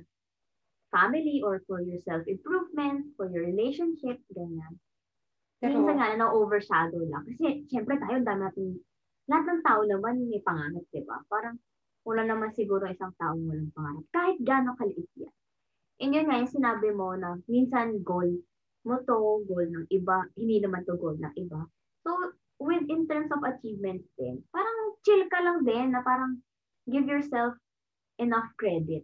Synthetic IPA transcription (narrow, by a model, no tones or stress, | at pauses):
famɪliʔoɹfɔɹjɔɹsɛlfɪmpɹuvmɛnt̪̚fɔɹjɔɹɪlejʃonʃɪp̚ɡɐɲan | minsɐnŋaɐnɐʔoːvɛɹʃaːd̪owlɐ̰ŋkɐsɛʃɛmpɾɛt̪aːjoʔnd̪aːmɪnaːt̪ɪn | lɐhat̪̚nɐŋt̪aːʔonɐmanjʊŋmɐjpɐŋaːɾɐp̪̚d̪̥ɪba̰paːɾɐŋ | mʊlanɐmansɪɡuːɾoŋʔɪsɐŋt̪aːʔoŋmʊlɐŋpɐŋaːɾɐp̪̚kaːhɪt̪̚ɡaːno̞kɐlɪʔɪt̪̚ja̰ | ʔɪnjonŋajʊŋsɪnaːbɪmo̞nɐminsɐnɡol | mot̪oɡolnɐŋʔɪbahɪ̃nd̪iːnɐmant̪oɡolnɐ̰ŋʔɪba | so | wɪd̪ɪnt̪ɛɹmsovɐt͡ʃiːvmɛnt̪sd̪̥ɛ̰npaːɾɐŋt͡ʃɪlkɐlɐŋd̪ɛnːɐpaːɾɐŋ | ɡɪvjɔɹsɛlf | ʔɛnafkɹɛd̪ɪt̪̚